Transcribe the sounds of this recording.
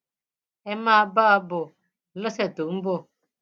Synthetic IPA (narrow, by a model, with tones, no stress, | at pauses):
ɛ˦ma˦ba˦bʊ˨ | lə˦sɛ˨t̪ʊ˨˦m̩˦bʊ˧